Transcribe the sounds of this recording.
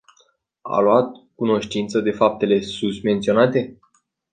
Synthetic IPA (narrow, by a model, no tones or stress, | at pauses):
a̰luat̪̚kuno̞ʃt̪int̪səd̪e̞fap̚t̪e̞le̞susme̞nt̪sio̞nat̪e̞